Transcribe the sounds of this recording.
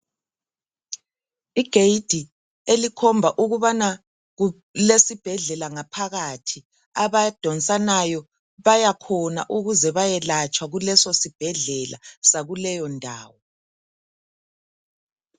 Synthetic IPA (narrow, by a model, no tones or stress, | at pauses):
iɡ̥ʱeid̥ʱi | elikʰɔmbʱaʔuɣuβana | ɣu | lesib̥ʱɛɮɛlaŋapʰaɣatʰi | aβad̥ʱɔnt͡sʼanajɔ | βajakʰɔna̰ʔuɣuzɛβajɛlat͡ʃʼwaɣulɛsosib̥ʱɛɮɛla̰saɣulɛjɔndʱa̰ːwɔ